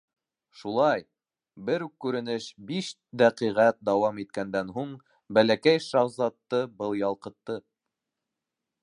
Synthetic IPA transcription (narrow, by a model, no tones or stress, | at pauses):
ʃulˠɑj | bɘɾukkːʉɾɘ̆nɘʃbiʃ | d̪æqiʁæt̪̚d̪ɑwɑmit̪̚kænd̪ænɦuɴ | bælækæjʃɑwzɑt̪ːɤbɤlˠjɑlˠqɤ̆t̪ːɤ